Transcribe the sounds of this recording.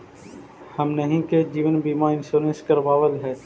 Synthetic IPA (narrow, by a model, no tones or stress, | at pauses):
hɐmnəɦĩked͡ʒiːʋənbiːmaɪ̃nsoːɾə̃nskəɾʋaːʋəlɦɛː